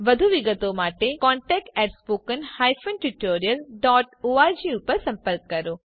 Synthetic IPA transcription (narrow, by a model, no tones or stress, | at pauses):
ʋɐd̪ʱuʋɪɡət̪omaːʈekɔ̃ːɳʈɛːk̚ʈɛːʈspoːkənhaːjfʰənʈuʈoːɾijəlɖɔːʈoːaːd͡ʑiːupəɾsɐ̃mpəɾk̚kːɐɾoː